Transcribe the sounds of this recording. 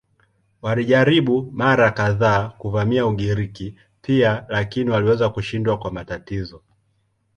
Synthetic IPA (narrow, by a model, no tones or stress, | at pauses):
waliʄaɾiɓumaɾakaðaːkuvamiauɠiɾiki | pʰialakiniwaliwɛzakuʃindwakwamatatizɔ